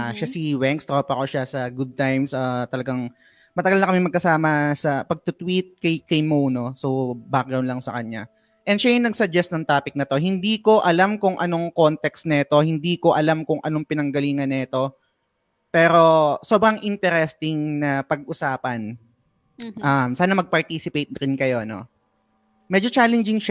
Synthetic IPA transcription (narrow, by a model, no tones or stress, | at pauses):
ʔaʃasiwɛŋkst̪ɾopɐkoʃasɐɡʊd̪̚t̪ajmsot̪ɐlɐɡaŋ | mɐt̪ɐɡalnɐkɐmɛmɐɡ̚kɐsaːmɐsɐpɐɡ̚t̪ʊt̪wit̪̚kɐjkɐjmowno̞sowbaːkɐwnlɐŋsɐkɐɲa | ʔɛnʃajʊnɐɡ̚sɐd͡ʒɛst̪nɐŋt̪aːpɪk̚nɐt̪o̞ɦɪnd̪iːko̞ʔɐlamkʊŋʔɐno̞ŋko̞nt̪ɛkst̪̚nɛɛt̪o̞hɪnd̪iːko̞ʔɐlamkʊŋʔɐ̰no̞ŋpɪnɐŋɡɐliːŋɐnːɛt̪o̞ | pɛːɾo̞so̞bɾɐŋʔɪnt̪ɛɾɛst̪ɪŋnɐpɐɡʔʊsaːpɐn | ʔɐmsaːnɐmɐɡ̚pɐɹt̪iːsɪpejt̪̚ɾɪnkɐjo̞no̞̰ | mɛd͡ʒot͡ʃaːlɛnd͡ʒɪŋʃ